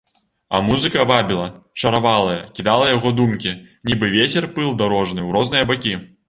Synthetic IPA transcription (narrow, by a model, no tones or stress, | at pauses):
ɐ̰muzɨkɐvabʲilˠɐʂɐɾavalˠɐjɐkʲid̪alˠɐjaɣɔd̪umkʲinʲibɨvʲet͡sʲɛrpɨlˠd̪aɾɔʐnɨwɾɔznɨjɐbakʲi